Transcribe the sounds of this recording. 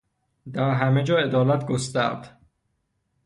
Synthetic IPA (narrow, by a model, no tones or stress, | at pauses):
d̪æɾɦæmed͡ʒɒːe̞d̪ɒːlæt̪ɡost̪æ̰ɾd̪̥